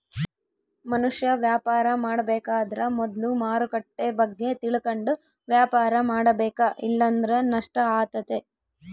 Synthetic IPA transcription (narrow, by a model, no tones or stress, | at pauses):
mɐnuʂjɐʋjaːpaːɾɐmaːɽɐbɛːkaːd̪ɐɾɐmɔd̪lumaːɾukɐʈːebɐɡːe̞t̪iɭɐkɐɳɖu | ʋjaːpaːɾɐmaːɽɐbɛːkɐʔḭlːɐnd̪ɐɾenɐʂʈɐaːɡt̪ɐt̪e